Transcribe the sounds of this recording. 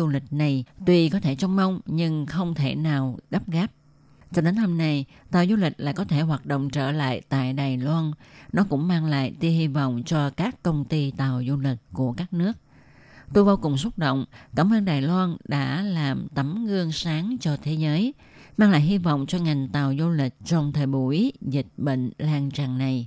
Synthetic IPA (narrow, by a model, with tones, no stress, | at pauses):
u˧lï˨˩k̟̚na˨˩jt̪wi˧kɔ˨˦t̪ʰe˧˩t͡ɕɔ˧wŋ͡mmə˧wŋ͡mɲɨ˧ŋxə˧wŋ͡mt̪ʰe˧˩naː˨˩wɣa˦˥p̚ɣaː˦˥p̚ | t͡ɕɔ˧ɗe˨˦nt̪ʰə˧˩na˨˩jt̪aː˨˩wzu˧lï˨˩k̟̚la̰ː˧˨jkɔ˨˦t̪ʰe˧˩ɦwaː˨˩t̚ɗo̰˧˨wŋ͡mt͡ɕəː˧˩la̰ː˧˨jt̪a̰ː˧˨jɗaː˨˩jlwaː˧nnɔ˨˦kʊ̰˧˥ŋ͡mmaː˧ŋla̰ː˧˨jt̪i˧hi˧vɔ̰˧˨wŋ͡mt͡ɕɔ˧kaː˦˥kːə˧wŋ͡mt̪i˧t̪aː˨˩wzu˧lï˨˩k̟̚ku˧˩əkaː˦˥k̚nɨ˦˥ək̚ | t̪o˧jɓaː˧wkʊ˨˩ŋ͡msʊ˦˥t̚ɗo̰˧˨wŋ͡mkaː˧˩mʔəː˧nɗaː˨˩jlwaː˧nɗa̰ː˧˥laː˨˩mt̪ə˨˦mŋɨ˧əŋsaː˨˦ŋt͡ɕɔ˧t̪ʰe˨˦zəː˨˦j | maː˧ŋla̰ː˧˨jhi˧vɔ̰˧˨wŋ͡mt͡ɕɔ˧ŋa˨˩jŋ̟t̪aː˨˩wzu˧lï˨˩k̟̚t͡ɕɔ˧wŋ͡mt̪ʰəː˨˩jɓu˧˩i˦zï˨˩k̟̚ɓḛ˧˨ŋ̟laː˧nt͡ɕaː˧˩ŋna˨˩j